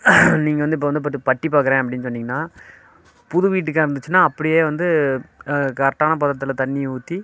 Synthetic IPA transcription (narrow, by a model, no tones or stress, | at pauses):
niːŋɡɐʋɐnd̪ɯɪpːoːɐnd̪ɯp̬ɐt̪ːipɐʈːipaːkɐɾẽːɐpːɐɽɪnːɯsɔnːɪːŋɡɐnːaː | pʊðʊʋiːʈ̬ːɯkːɐɪɾɯnd̪ɯt͡ʃːɯnːaːɐpːɐɽɪjeːʋɐnd̪ɯ | kɐɾɐʈːaːnɐp̬ɐðɐt̪ːɯlɐt̪ɐɳːɪjuːt̪ːi